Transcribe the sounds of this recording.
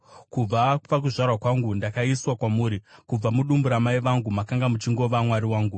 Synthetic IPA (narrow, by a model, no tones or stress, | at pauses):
kub͡vapak̬uʐarwakwaŋɡundakaiswakwamuːɾikub͡vamuɗumbuɾamaiʋaŋɡumakaŋɡamut͡ʃiŋɡo̞ʋamwaɾiwaːŋɡu